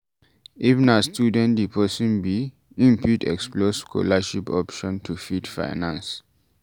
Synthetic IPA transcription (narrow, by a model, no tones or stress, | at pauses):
ʔivnastjudɛ̃ndipʰɔsĩnbi | ĩmpʰutɛ̰ksploskʰɔ̰laʃipɔpʃɔ̃ntʰufidfa̰ɪnãns